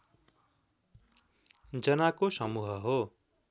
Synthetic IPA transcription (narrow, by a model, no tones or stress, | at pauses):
d͡zʌnakosʌmuɦʌɦo